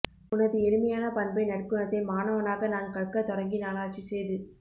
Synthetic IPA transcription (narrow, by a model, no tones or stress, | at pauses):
ʊnɐðɯɛɽɯmɐjaːnɐpɐnbɐɪnɐɽkːɯɳɐðɪmaːnɐʋɐnaːɣɐnaːnkɐɭkɐt̪ɔɾɐŋɡinaːlaːt͡ʃːisejðɯ